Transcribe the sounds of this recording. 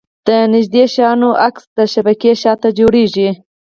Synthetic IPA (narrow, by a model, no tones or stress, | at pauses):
d̪̥ənɪʒd̪eʃɑnoʔaksd̪əʃabakeʃɑt̪ad͡ʒoɽeʒi